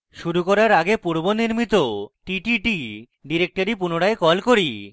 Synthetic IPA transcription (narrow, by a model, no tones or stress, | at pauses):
ʃuɾukɔɾaɾaɡepuɾboniɾmit̪oʈiʈiʈi | ɖiɾek̚ʈoɾipunoɽaekɔlkoɾi